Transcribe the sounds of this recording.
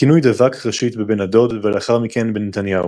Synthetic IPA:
kinujd̪avakʁɛʃit̪bebenad̪od̪vɛlɛaχaʁmikɛnbenet̪anjau

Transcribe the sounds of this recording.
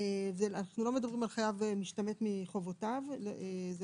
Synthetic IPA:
ezeanaχnulo̞medɐbʁimalχajavemiʃtame̞tmiχo̞votavez

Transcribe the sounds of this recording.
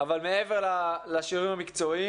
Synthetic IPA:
avalmeeveʁlalaʃiʁimamikt͡so̞i

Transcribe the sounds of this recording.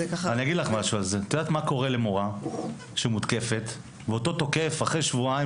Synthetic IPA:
kaaniaɡidlaχmaʃualzet̪od̪aːt̪mako̞ʁele̞moʁa | ʃemud̪ke̞fe̞t̪ | veot̪o̞t̪o̞ke̞faχʁejʃvuai

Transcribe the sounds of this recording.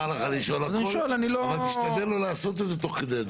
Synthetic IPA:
laχaliʃoolazanʃoelanilovalt̪iʃt̪ad̪elo̞laːso̞t̪̬ezet̪o̞χked̪ed̪

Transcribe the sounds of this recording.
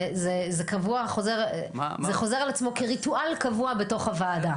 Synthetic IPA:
zezekavuaχo̞zeʁ | zeχo̞ze̞ʁalat͡smo̞keʁituʔalkavuabe̞to̞χhavaːda

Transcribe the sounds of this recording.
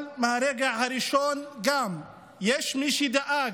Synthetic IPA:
nmaɾɛɡahaɾiʃɔːnɡaːm | jɛʃmiʃid̪aʔaː

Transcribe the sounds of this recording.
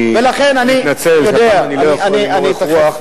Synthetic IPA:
velaχenaninat͡seljod̪eanilianianit̪aua

